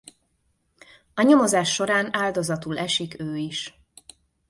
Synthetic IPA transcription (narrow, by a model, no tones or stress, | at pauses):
ɒɲo̞mo̞zaːʃːo̞ɾaːnaːld̪o̞zɒt̪ulɛʃikøːiʃ